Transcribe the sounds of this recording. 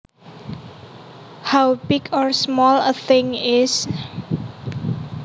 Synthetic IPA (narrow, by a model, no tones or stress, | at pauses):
hawbɪkɔɹsmɔləθɪŋɪs